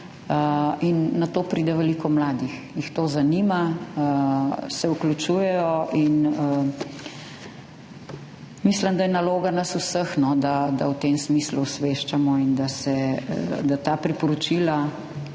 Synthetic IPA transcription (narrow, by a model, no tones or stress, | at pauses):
əinːat̪oːpɾiːd̪ɛʋɛlikɔmlaːd̪ixjixt̪oːzanimaəsɛuklut͡ʃuːjɛjɔʔinə | misləmd̪ajɛnaloːɡanɐsusəxnɔd̪ad̪awt̪emsmiːsluːsʋeʃt͡ʃamɔind̪asɛd̪at̪aːpɾipɔɾɔt͡ʃila